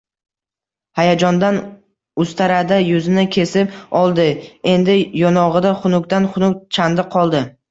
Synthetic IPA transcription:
hajad͡ʒɒnd̪an | ʊst̪ʰaɾad̪ajʊzɪnakʲʰe̞sɪpɒlˠd̪ɪe̞nd̪ɪjɒnɒʁɨd̪aχʊnʊkt̪anχʊnʊk̚ʲt͡ʃʰand̪ɪqʰɒlˠd̪ɪ

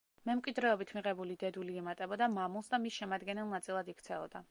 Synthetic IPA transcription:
mɛmkʼwid̪ɾɛɔbit̪ʰmiʁɛbulid̪ɛd̪uliɛmat̪ʼɛbɔd̪amamulˠsd̪amisʃɛmad̪ɡɛnɛlˠnat̪sʼilˠad̪ikʰt̪sʰɛɔ̰d̪a

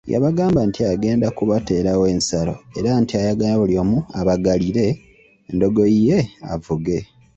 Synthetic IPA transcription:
ja̰βaɡaːmbantʰiaɡe̞ːndakuβate̞ːɾawe̞ːnsalo̞̰e̞̰ɾantiajaɡajaβuljo̞ːmuaβaɡaliɾe̞ː | ndo̞ɡo̞ije̞a̰vuɡe̞

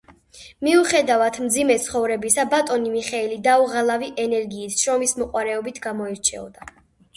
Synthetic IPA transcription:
miuχɛd̪avat̪ʰmd̪zimɛt̪sʰχɔvɾɛbisabat̪ʼɔnimiχɛilid̪auʁalˠaviʔɛnɛɾɡiːsʃɾɔmismɔqʼwaɾɛɔbit̪ʰɡamɔiɾt͡ʃʰɛ̰ɔ̰d̪a

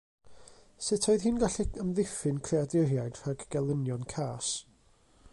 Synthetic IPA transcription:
sɪtʰɔɨðhiːnɡaɬiəmðɪfɪnkʰreadɪrjajd̥r̥aɡɡ̥ɛlˠənjɔnkʰaːs

